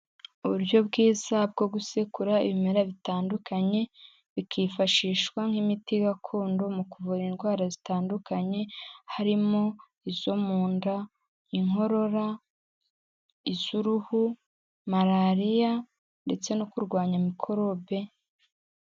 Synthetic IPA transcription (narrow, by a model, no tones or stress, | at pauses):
uβuɾjo̞bɡiːzab̚ɡo̞ɡusekuɾaḭβimeɾaβitaːndukaɲe̞ | βikʰifaʃiːʃwaŋ̥himitiɡakʰo̞ːndo̞mukuvuɾinɡwaːɾazitaːndukaɲe̞haɾimo̞ | izo̞muːnda | iŋɦo̞ɾo̞ɾa | iz̥uɾuhu | maɾaɾija | nde̞t͡se̞nokuɾɡwaːɲamikʰo̞ɾo̞βe̞